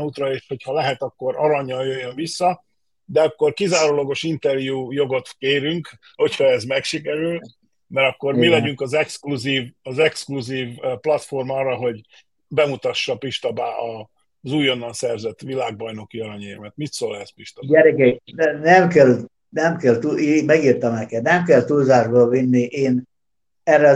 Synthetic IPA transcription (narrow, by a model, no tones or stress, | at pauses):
uːt̪rɒeːʃho̞chɒlɛɦɛt̪ɒkːo̞ɾɒɾɒɲːɒljøjːøɱvisːɒ | d̪ɛɒkːo̞rkizaːɾoːloɡo̞ʃint̪ɛrjuːjo̞ɡo̞t̪keːɾyŋk | ho̞cʰhɒɛzmɛkʃikɛɾyl | mɛɾɒkːo̞rmilɛɟyŋkɒzɛkskluziːvɒzɛkskluziːvplɒt̪fo̞rmɒːrːɒɦo̞ɟ | bɛmut̪ɒʃːɒpiʃt̪ɒbaːʔɒ | zuːjo̞nːɒnsɛrzɛt̪ːʋilaːɡ̚bɒjno̞kiɒɾɒɲeːmɛt̪mit̪soːlɛspiʃt̪ɒɛɾɛɡɛjd̪ɛnɛmkɛl | nɛmkɛlt̪uimɛɡiːrt̪ɒmnɛkɛt̪nɛmkɛlt̪ulzaːʒboːvinːiʔeːn | ɛrːɛ